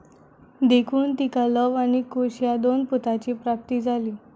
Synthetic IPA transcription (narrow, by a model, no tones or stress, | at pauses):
d̪ekʰuːnt̪ikaləʋaɽ̃ikoɕjad̪onput̪at͡ɕiːpɾap̚t̪iːd͡zʱaliː